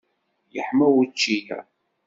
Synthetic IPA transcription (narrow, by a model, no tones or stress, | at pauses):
jəħmæwit͡ʃːijæ̰